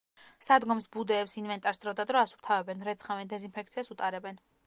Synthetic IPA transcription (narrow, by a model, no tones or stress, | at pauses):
sad̪ɡɔmsbud̪ɛːpsinvɛnt̪ʼaɾsd̪ɾɔd̪ad̪ɾɔasu̥p̚ʰt̪ʰavɛbɛnɾɛt̪sʰχavɛnd̪ɛzinpʰɛk̚ʰt̪sʰiasut̪ʼaɾɛbɛn